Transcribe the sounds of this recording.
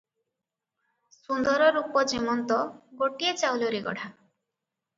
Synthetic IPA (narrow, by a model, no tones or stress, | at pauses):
sund̪ɔɾɔɾupɔd͡ʒimɔnt̪ɔɡoʈiet͡ʃawloɾiɡɔ̰ɽ̤ʱa